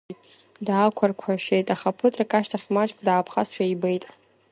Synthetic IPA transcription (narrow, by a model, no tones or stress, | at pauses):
tʼ | daːkʷʰarkʷʰaʃejtʼaχapʰɨtʼrakʼaʃtʰaχʲmat͡ʃʼkʼdaːpʰχasʃᶣaibejtʼ